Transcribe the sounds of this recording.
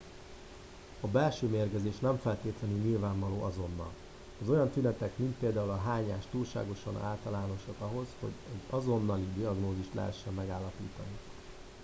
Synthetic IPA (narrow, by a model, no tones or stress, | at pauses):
ɒbɛlʃøːmeːrɡɛzeːʃnɛɱfɛlt̪eːt̪lɛnylɲilvaːɱvɒloːʔɒzo̞nːɒ̰l | ɒzo̞jɒnt̪ynɛt̪ɛkmint̪̚peːld̪aːulɒɦaːɲa̰ːʃt̪uːlʃa̰ːɡo̞ʃɒ̰na̰ːlt̪ɒlaːno̞ʃokɒɦo̞zho̞̰ɟɛɟɒzo̞nːɒlid̪iɒɡnoːziʃt̪lɛ̰ɦɛ̰ʃːɛmːɛɡaːlːɒpḭːt̪ɒni